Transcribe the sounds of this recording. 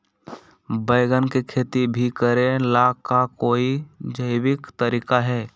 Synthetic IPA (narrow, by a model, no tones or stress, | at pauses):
bəɪɡənkekʰeːt̪ibʱikəɾẽlaːkakoːid͡ʒəɪwɪkt̪əɾiːkaɦɛː